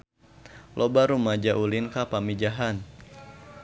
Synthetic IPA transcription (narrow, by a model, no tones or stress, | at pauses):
lʔobaɾumad͡ʒaʔulinkapamid͡ʒaɦan